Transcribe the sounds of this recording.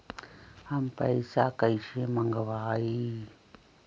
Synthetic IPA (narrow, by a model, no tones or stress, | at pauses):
ampa̰isakaiʃimaŋɡaβai